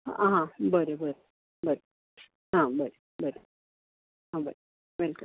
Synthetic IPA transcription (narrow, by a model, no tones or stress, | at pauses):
aɦãbəɾebəɾe | bəɾe | ɦãbəɾe | bəɾe | ɦãbə̰ɾ | ʋelkul